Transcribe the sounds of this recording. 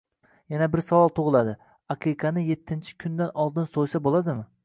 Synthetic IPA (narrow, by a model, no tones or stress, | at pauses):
janabɪɾsavɒlˠt̪ʰoʁɨlˠad̪ɪ | ɑqʰiqʰɑnɪje̞t̪ʰːɪnt͡ʃʰɪ̥kʲʰʊnd̪anɒlˠd̪ɪnsojsabolˠad̪ɪmɪ